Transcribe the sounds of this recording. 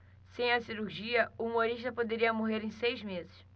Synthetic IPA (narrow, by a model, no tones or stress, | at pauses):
sẽj̃ɐsiɾuɾʒiɐuumoɾiʃt̪ɐpod̪eɾiɐmoɦeɾẽj̃sejzmezɪs